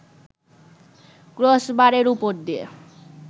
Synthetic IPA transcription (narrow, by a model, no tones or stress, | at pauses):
ɡɾosbaɾeɾupoɾd̪ie